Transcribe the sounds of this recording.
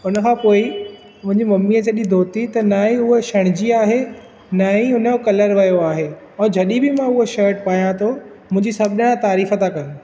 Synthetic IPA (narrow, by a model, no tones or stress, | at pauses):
ʊnə̆kʰãːpoːɪ | mʊ̃ɦɪ̃ɲd͡ʑimɐmːiːət͡ɕɐɗid̪ʱoːt̪it̪ɐnaːɦĩʊɦoʃɐɽ̃ɪd͡ʑiaːɦe | naːɦĩʊnəjokɐləɾʋɐjoaːɦe | ɛ̃ːd͡ʑʱɐɗibɪmãʊɦoʃəːʈ̚paːjãt̪ʰo | mʊ̃ɦɪ̃ɲd͡ʑisɐbʱnəɽ̃ãt̪aːɾiːfət̪ʰãkɐn̆